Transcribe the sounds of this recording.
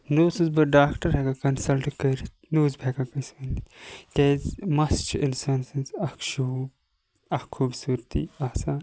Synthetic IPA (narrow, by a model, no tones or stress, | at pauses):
noːsɨzbɐɖaːkʈɐɾɦɐɡakɐnsɐlʈkɐɾi | nuːzbʱeɡakɐsʋɐnd̪ikʲezmɐst͡ʃɪnsɐnsɐnzɐkʃuːb | ɐhkʰːuːbsuːɾt̪ḭaːsaːn